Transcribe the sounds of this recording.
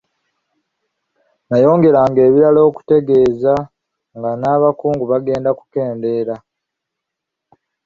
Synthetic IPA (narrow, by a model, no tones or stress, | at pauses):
najo̞ːŋɡe̞ɾaŋɡe̞ːβiɾalo̞ːku̥te̞ɡe̞ːza | ŋɡanaːβakuːŋɡuβaɡe̞ːndaku̥ke̞ːnde̞ːɾa